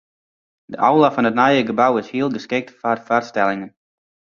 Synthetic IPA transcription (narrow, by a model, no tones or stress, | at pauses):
dəʔawlafɔnətnajəɡəbawɪshiəlˠɡəskɪk̚tfarfarstɛlˠɪŋən